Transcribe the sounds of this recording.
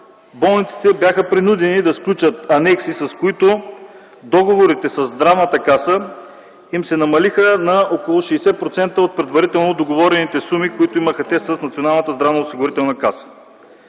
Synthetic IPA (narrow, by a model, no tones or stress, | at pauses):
bɔlˠnit̪si̥t̪ɛbjaxəpɾinud̪ɛnid̪ɐsklʲut͡ʃət̪ɐnɛksisɐskoit̪o | d̪ɔɡovoɾit̪ɛsɐzːd̪ɾavnət̪əkasə | imsɛnɐmɐlixənɐokolˠʊʃɛːsɛpɾot̪sɛnt̪əot̪̚pɾɛd̪vɐɾit̪ɛlˠnod̪oɡovɔɾɛnit̪ɛsumikoit̪oiməxət̪ɛst̪ɐsnɐt̪sionalˠnət̪əzd̪ɾavnəosiɡʊɾit̪ɛlˠnəkasə̥